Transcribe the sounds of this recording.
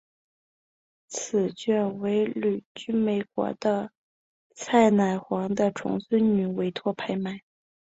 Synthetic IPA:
t͡sʰɹɹ̩˨˩t͡ɕɥɛ˥˩nwe˧˥ɪly˨˩t͡ɕy˥me˨˩ɪkwɔ̰˧˥d̪ə˧ | t͡sʰa˥˩ɪna˨˩ɪxwɑ˧˥ŋd̪ə˧ʈ͡ʂʰʊ̰˧˥ŋswə˥nny˨˩we˧˥ɪt̪ʰwɔ˥˩pʰa˥ɪma˥˩ɪ

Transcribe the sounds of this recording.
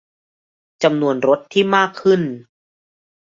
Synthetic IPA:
t͡ɕa˧mnu˧ənɾo˦˥t̪ʰːiː˥˩maː˥˩kʰːɯ˥˩n

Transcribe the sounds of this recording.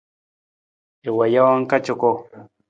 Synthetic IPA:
e˨wa˨ja˦wa˦ŋ˦ka˦t͡ʃɔ˨ko˦

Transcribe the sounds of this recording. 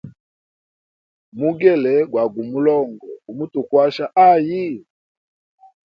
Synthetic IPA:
mu˦ɡɛ˦˨lɛ˨ɡwa˨ɡu˨mu˦lɔ˦˨ŋɡɔ̰˨u˨mu˦tu˨kwa˦ʃa˦ʔa˦˨ji˦

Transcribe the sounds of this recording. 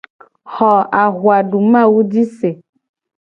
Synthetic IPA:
xɔ˨a˨ɣwa˨ɖu˨mã˦˨wu˦d͡ʒi˦se˨

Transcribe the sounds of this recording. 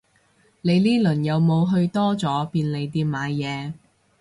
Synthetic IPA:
le˨˧jniː˥lɵ˨˩njɐ˨˧wmo˨˧wɦɵ˧ɥt̪ɔː˥t͡sɔː˨˥piː˧nle˨˧jt̪iː˧pmaː˨˧jːɛː˨˧

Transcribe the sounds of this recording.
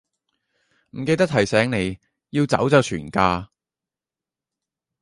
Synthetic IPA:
m̩˨˩ke˧jt̪ɐ˥k̚t̪ʰɐ˨˩jsɛː˨˥ŋne˨˧j | jiː˧wt͡sɐ̰˨˥wt͡sɐ˨˧wt͡ʃʰyː˨˩nkaː˧

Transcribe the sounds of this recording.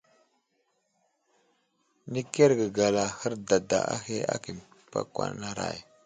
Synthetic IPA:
ni˦ke˦ɾɡə˨ɡa˨la˨hə˦ɾda˨da̰˨a˦he˦a̰˦ki˨m | pa̰˨kwa̰˨na˦ɾa̰˨j

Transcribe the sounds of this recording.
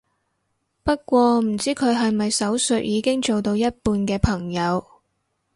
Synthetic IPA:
pɐ˥t̚kʷɔː˧m̩˨˩t͡siː˥kʰɵ˨˧ɥɦɐ˨jmɐ˨jsɐ˨˥wsɵ˨˥t̚jiː˨˧kɪ˥ŋt͡so˨wt̪o˧wjɐ˥t̚puː˧nkɛː˧pʰɐ˨˩ŋjɐ˨˧w

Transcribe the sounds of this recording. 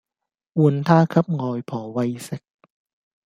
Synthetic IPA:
ʔu˧ənt̪ʰaː˥˩kʰa˦˥p̚ŋɔː˧jpʰɔː˩˦wa˧jse˨˩˦k̚

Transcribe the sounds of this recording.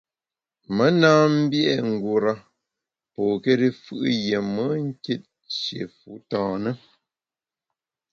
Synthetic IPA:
mə˦naː˦m̩˦bjɛ˦ŋ̩˨ɡu˨ɾa˦ | pɔː˨ke˦ɾi˦fɯ̰˦ʔje˨mə˦ŋ̩˦ke˦t̚ | ʃjḛ˨fu˨˦tãː˨nə˦

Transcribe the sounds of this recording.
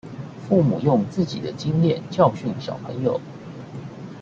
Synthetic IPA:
fu˥˩mṵ˨˩jʊ˥˧ŋt͡sɹ̩˥˩t͡ɕḭ˨˩d̪ə˦t͡ɕi˥ŋljɛ˥˨nt͡ɕjɑ˥˧ʊɕy˥˩nɕjɑ̰˨˩ʊpʰə̰˧˥ŋjo˨˩˦ʊ

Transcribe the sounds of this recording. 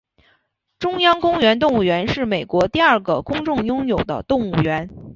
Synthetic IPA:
ʈ͡ʂʊ˥ŋjɑ˥ŋkʊ˥ŋɥɛ˧˥nt̪̬ʊ˥˧ŋu˥˩ɥɛ˧˥nʂɻ̩˥˩me˨˩ɪkwɔ˧˥t̪i˥˧ɐ˞˥˩ɡə˩kʊ˥ŋʈ͡ʂʊ˥˩ŋjʊ˥ŋjo˨˩ʊd̪ə̰˦t̪ʊ˥˧ŋu˥˩ɥɛ˧˥n

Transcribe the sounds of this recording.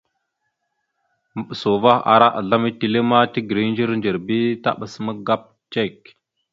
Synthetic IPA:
mə˦˨ɓə˨so˨va˦a̰˨ɾa˦ʔa̰˨ɮa˦mi˦ti˨le˦ma˦ti˦ɡɾi˦nd͡ʒə˦ɾnd͡ʒə˨ɾbi˦ta̰˦ɓə˨smə˦ɡa˦p̚ | t͡ʃe˦˨k̚

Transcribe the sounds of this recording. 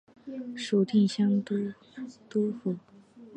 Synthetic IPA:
ʂu˨˩t̪ʰi˥˩nɕjɑ˥ŋt̪u˥ | t̪u˥fu˨˩˦

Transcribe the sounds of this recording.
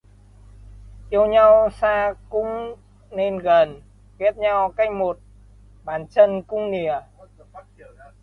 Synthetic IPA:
ʔi˧əwɲa˧wsaː˧kʊ̰˧˥ŋ͡m | ne˧nɣə˨˩n | ki˦˥ət̚ɲa˧wka˦jk̚mo˨˩t̚ | ɓaː˨˩nt͡ɕə˧nkʊ˧˥ŋ͡mni˨ə

